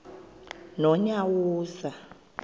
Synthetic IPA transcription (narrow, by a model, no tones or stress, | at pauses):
nɔɲawuːsa